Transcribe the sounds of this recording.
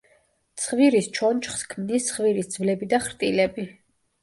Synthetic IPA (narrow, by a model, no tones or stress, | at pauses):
t̪sʰχviɾist͡ʃʰɔnt͡ʃχskʰmnist̪sʰχviɾisd̪z̥vlɛbid̪aχɾt̪ʼilɛbi